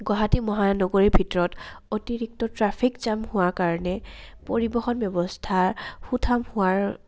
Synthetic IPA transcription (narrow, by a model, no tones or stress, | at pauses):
ɡwaɦatimɔɦanɔɡoɹibʱitɔɹɔtotiɹik̚tɔtɹapʰikz̥amhʊakaɹɔnɛpoɹibɔxɔnbjɔbɔstʰaɹhutʰamhʊaɹ